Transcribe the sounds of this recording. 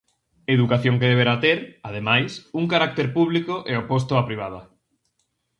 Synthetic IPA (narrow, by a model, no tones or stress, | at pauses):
eðukaθjoŋkeðeβeɾat̪eɾað̞emajsuŋkaɾak̚t̪eɾpuβ̞likoʔeopost̪ʊapɾiβað̞ɐ